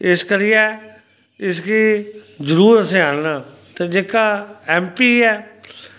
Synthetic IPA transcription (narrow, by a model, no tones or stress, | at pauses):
ɪskəɾɪjɛː | ɪskiːd͡ʒəɾuːɾəsẽːaːɽnãː | t̪ed͡ʒeːkaːɛːmpiːɛː